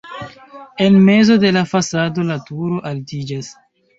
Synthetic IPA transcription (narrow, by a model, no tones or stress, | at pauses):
e̞nme̞zo̞de̞lafasado̞latuɾo̞ʔaltid͡ʒas